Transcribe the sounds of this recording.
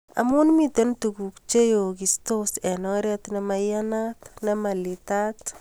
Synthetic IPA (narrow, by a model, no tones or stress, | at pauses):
a̰munmit̪entukukt͡ʃejokistosɛnɔɾɛt̪namajanat̪namalit̪at̪